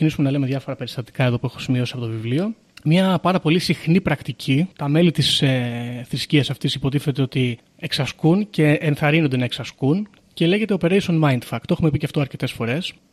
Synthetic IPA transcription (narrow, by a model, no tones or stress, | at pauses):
cinisumenɐlemeðʝɐfo̞ɾɐpe̞ɾist̪ɐt̪i̥kɐeðo̞pue̞xo̞̥simio̞siɐpo̞t̪ovivlio̞ | mɲɐpɐɾɐpo̞lisixnipɾɐkt̪icʰit̪ɐme̞lit̪iseθɾisciɐsɐft̪isipo̞t̪̬iθe̞t̪e̞o̞t̪i | e̞ksɐskunce̞ːnθɐɾinond̪e̞nɐeksɐskun | ce̞le̞ʝe̞t̪epeɾejsonmɐind̪fɐkt̪e̞xume̞piceɐft̪o̞ɐɾce̞t̪e̞sfo̞ɾe̞s